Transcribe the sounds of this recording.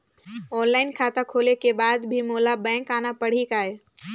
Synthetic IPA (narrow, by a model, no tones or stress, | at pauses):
ɔːnlaːɪnkʰaːt̪akʰoːlekebaːd̪bʱimoːlabɛ̃ːkaːnapəɽ̤ikaːe